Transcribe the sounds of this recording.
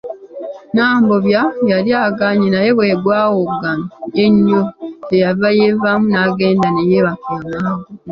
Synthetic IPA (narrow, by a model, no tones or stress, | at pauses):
naːmbo̞βjaβjaliaɡaɲinaje̞βwe̞ːɡwaːwoɡaeɲːoejavajevamunaːɡeːndanejeβakamaβu